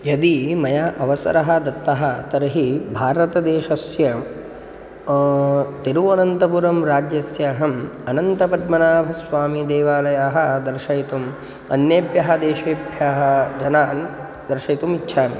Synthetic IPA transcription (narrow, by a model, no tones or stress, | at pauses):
jɐd̪imɐjaːʔɐʋɐsɐ̰ɾɐɦɐd̪ɐt̪ːɐɦɐt̪ɐɾɐɦibʱaːɾɐt̪ɐd̪eːʃɐsjɐ | t̪eɾuʋɐnɐnt̪ɐpuɾɐmɾaːd͡ʒjɐsjɐːɦɐmɐnɐnt̪ɐpɐd̪mɐnaːbʱɐsʋaːmid̪eːʋaːlɐjaːɦɐ̆d̪ɐɾʃɐjt̪um | ɐnjeːbjɐɦɐd̪eːʃeːbjaːɦɐ̆d͡ʒɐnaːn | d̪ɐɾʃɐjt̪umitːʃʰaːmḭ